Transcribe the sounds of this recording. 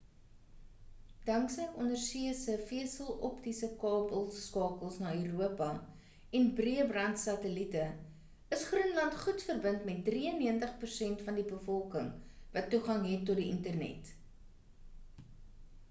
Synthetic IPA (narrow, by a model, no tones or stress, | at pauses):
d̥ɐŋksəjʔɔnərsiəsəfiəsəlɔptisəkɑːbəlˠːkɑːkəlˠsnɑːyɾuəpɐ | ɛnbriəbrɐntsɐtəlitə | əsχrunlɐntχutfərbəntmɛt̚driənːiəntəχpərsɛntfɐndibəfɔlˠkəŋvɐtːuχɐŋɦɛtːɔtdiəntərnɛ̰t